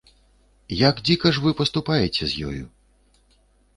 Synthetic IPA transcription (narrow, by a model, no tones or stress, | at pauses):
jaɡd͡zʲikɐʂvɨpɐst̪upajɛt͡sʲɛzʲjɔ̰jṵ